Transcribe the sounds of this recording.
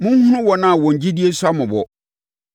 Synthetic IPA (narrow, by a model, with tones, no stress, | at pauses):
mʊ̃˦ŋ̩˦hʊ̃˦nʊ̃˦wɔ˨nã˦a˨wɔ̃˨ɲ̩˨d͡ʑi˦di˦e˦sʊ˦a˦mʊ̃˨bɔ̰˨